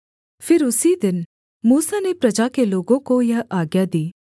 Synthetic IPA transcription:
fʰɪɾʊsid̪ɪn | muːsanepɾɐd͡ʒakeloːɡõkojɐɦaːɡjad̪iː

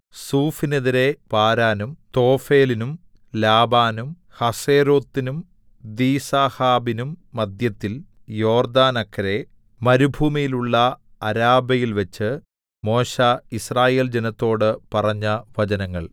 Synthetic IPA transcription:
suːfineðiɾe̞paːɾaːnumt̪o̞ːfe̞ːlinum | laːbaːnum | hɐseːɾo̞ːt̪ːinum | d̪iːsaːhaːbinumːɐd̪jɐt̪ːil | jo̞ːrd̪aːnɐkːɐɾe̞ | mɐɾubʱuːmijiluɭːɐɐɾaːbɐjilʋɐt͡ɕːɨ | mo̞ːɕɐisraːje̞ːld͡ʑenɐt̪ːo̞ːɽɨpɐrɐɲːɐʋɐd͡ʑɐnɐŋːɐɭ

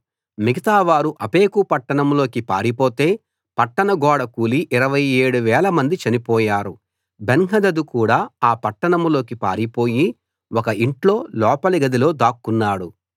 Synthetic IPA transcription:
miɡɐt̪aːʋaːɾuʔɐpe̞ːkupɐʈːɐɳɐmlo̞ːkipaːɾipoːt̪e̞ː | pɐʈːɐɳɐɡɔːɽɐkuːliʔːɾɐʋɐjeːɽuʋɛːlɐmɐnd̪it͡ʃɐnipɔːjaːɾu | benɦɐd̪ɐd̪ukuːɽaːaːpɐʈːɐɳɐmlo̞ːkipa̰ːɾipo̞ːji | wɔkɐʔiɳʈlo̞ːlɔːpɐliɡɐd̪ilo̞ːd̪aːkːunːaːɽu

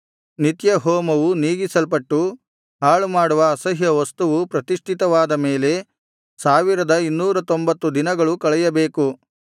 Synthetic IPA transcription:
nit̪jɐɦɔːmɐʋuniːɡisɐlpɐʈːu | ɦaːɭumaːɽuʋɐːsɐɦjɐʋɐst̪uʋupɾɐt̪iʂʈʰit̪ɐʋaːd̪ɐme̞ːle̞ | saːʋiɾɐd̪ɐinːuːɾɐt̪o̞mbɐt̪ːud̪inɐɡɐɭukɐɭɛjɐbe̞ːku

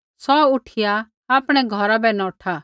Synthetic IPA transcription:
sɔʊʈʰɪja | aːpɽ̃ɛɡʱɔɾabɛnɔʈʰa

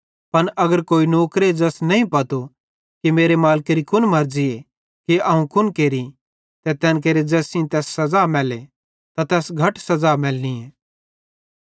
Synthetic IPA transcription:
pɐnʔɐɡəɾkoːinoːkɾed͡ʒɛːsnɐɦĩpɐt̪o | kimeːɾemaːlkeɾikʰʊnmɐɾd͡ʒie | keɐũkʊnkeːɾi | t̪ɛt̪ɛːnk̬eːɾed͡ʒɛːsĩt̪ɛːsːɐzaːmɛːle | t̪at̪ɛːsɡʱɐʈsɐzaːmɛːlnĩẽː

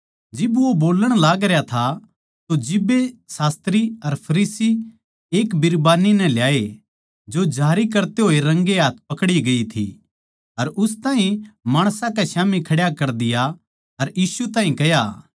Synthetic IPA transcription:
d͡ʒɪbʋoboːləɽ̃laːɡɾejat̪ʰa | t̪od͡ʒɪbːesaːst̪ɾiɐɾpʰɐɾiːsi | eːkbɪɾbaːninɛ̃ljaːe | d͡ʒod͡ʒʱaːɾik̬ɐɾt̪eɦoːeɾɐ̃ŋɡeɦaːt̪̚ʰpɐkɽiɡɐit̪ʰḭ | ɐɾʔʊst̪ãːɦĩmaːɽ̃sãkɛʃaːmikʰɐɽjakɐɾd̪ɪja | ɐɾjiːsut̪ãːɦĩkɐja

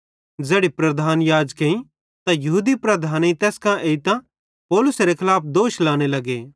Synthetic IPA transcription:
d͡zeːɽipɾɐd̪ʱaːnjaːd͡ʒkeĩ | t̪ãjɐɦuːd̪ipɾɐd̪ʱaːnĩt̪ɛːskãʔeːit̪ã | pɔːlʊsɾekʰɐlaːpʰd̪oːʃlaːñelɐɡeː

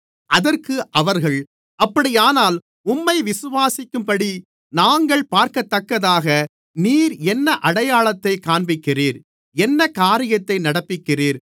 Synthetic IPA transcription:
ʔɐðɐrkɯʔɐʋɐɾɣɐɭ | ɐpːɐɽɪjaːnaːl | ʊmːɐɪʋɪsɯʋaːsɪkːɯmpɐɽi | naːŋɡɐɭpaːɾkɐt̪ːɐkːɐðaːɣɐ | niːɾɛnːɐʔɐɽɐjaːɭɐt̪ːɐɪkaːɳbɪkːɪriːɾ | ɛnːɐkaːɾɪjɐt̪ːɐɪnɐɽɐpːɪkːɪriːɾ

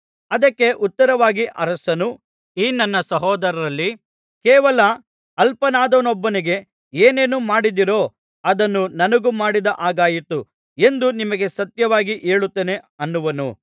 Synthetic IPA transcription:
ɐd̪ɐkːe̞ʔut̪ːɐɾɐʋaːɡiʔɐɾɐsɐnu | iːnɐnːɐsɐɦɔːd̪ɐɾɐɾɐlːi | kɛːʋɐlɐ | ɐlpɐnaːd̪ɐnɔbːɐniɡe̞ | eːne̞ːnumaːɽid̪iɾo̞ː | ɐd̪ɐnːunɐnɐɡumaːɽid̪ɐʔaːɡaːjit̪u | e̞nd̪unimɐɡe̞sɐt̪jɐʋaːɡiʔeːɭut̪ːene̞ɐnːuʋɐnṵ

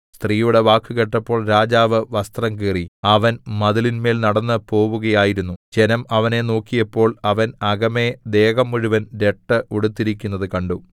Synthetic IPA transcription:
st̪riːjuɽe̞ʋaːkːɨɣeʈːɐpːo̞ːɭɾaːd͡ʑaːʋɨʋɐst̪rɐŋkiːriɐʋɐnmɐðɐlinme̞ːlnɐɽɐnːɨpo̞ːʋuɣɐjaːjiɾunːud͡ʑe̞nɐmɐʋɐne̞no̞ːkːijɐpːo̞ːɭɐʋɐnɐɣɐme̞d̪e̞ːɣɐmːuɻuʋɐnɾe̞ʈːɨʔuɽut̪ːiɾik̬ʲːunːɐðɨkɐɳɖu

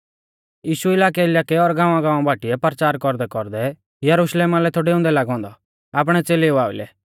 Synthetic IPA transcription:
jiːʃuɪlaːk̬ɛɪlaːkɛɔɾɡãːʋãɡãːʋãbaːʈiɛpɐɾt͡ʃaːɾkɔɾd̪ɛkɔɾd̪ɛ | jɐɾuʃleːmalɛt̪ʰoːɽɛʊ̃ːnd̪ɛlaːɡɔ̃ːnd̪ɔ | aːp̬ɽ̃ɛt͡seːleʊaːʊ̰lɛ̰

